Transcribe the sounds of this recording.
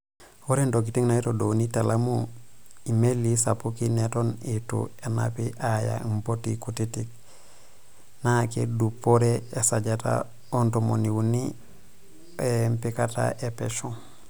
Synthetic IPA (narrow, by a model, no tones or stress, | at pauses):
woɾendokitiŋnaitodonitalamuimelːisapukinetonitṵena̰piʔaja̰impotikutitik̚ | nakḛdupoɾeesaɟata̰ | ontomoniwuni | empikata̰ʔepeʃu